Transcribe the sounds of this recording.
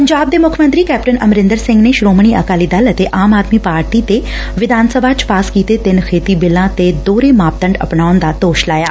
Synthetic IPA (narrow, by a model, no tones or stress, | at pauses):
pəɲd͡ʒaːb̚d̪eːmʊkʰəmə̃nt̪ɾiːkɛːpʈənəmɾɪnd̪əɾsɪ̃ŋɡneːʃɾoːmɳ̃iːʔəkaːliːd̪ələt̪eʔaːmaːd̪miːpaːɾʈiːt̪e | ʋɪd̪ʱaːnsəbʱaːt͡ʃpaːskiːt̪eːt̪ɪnkʰeːt̪iːbɪlːãːt̪ed̪oːɾeːmaːp̚t̪ə̃ɳɖə̰pnaːʊnd̪aːt̪oːʃlaːja̰ː